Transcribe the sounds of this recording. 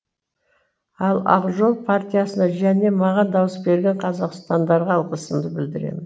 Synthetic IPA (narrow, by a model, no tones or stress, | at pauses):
ɑlˠɑ̰ʁʒo̞lˠpʰart̪ʲijasənɑʒæne̞mɑʁɑnd̪ɑwəsbe̞ɾɡʲe̞ɴqʰɑzɑqst̪ɑnd̪ɑɾʁɑlˠqəsəmd̪əbɪld̪ɪɾe̞̰mɪn